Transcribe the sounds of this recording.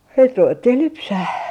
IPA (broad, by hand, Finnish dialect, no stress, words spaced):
sit ruʋetːih lypsæh